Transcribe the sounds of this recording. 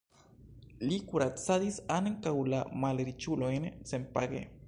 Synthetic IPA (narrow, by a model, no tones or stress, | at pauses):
likuɾat͡saðisaneŋkawlamaleɾit͡ʃuloenesempaɡḛ